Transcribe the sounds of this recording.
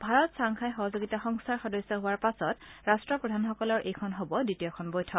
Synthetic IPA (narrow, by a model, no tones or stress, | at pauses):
bʱaɹɔtsaŋkʰajxɔɦɔzoɡitaxɔŋsʰaɹxɔdɔjsɔɦʊaɹpasɔtɹastɹɔpɹɔdʱanxɔkɔlɔɹʔejkʰɔnɦobɔditijɔkʰɔnbɔjtʰɔ